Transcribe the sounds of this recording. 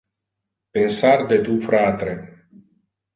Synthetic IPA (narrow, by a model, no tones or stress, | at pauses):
pensard̪et̪ufɾaːt̪ɾe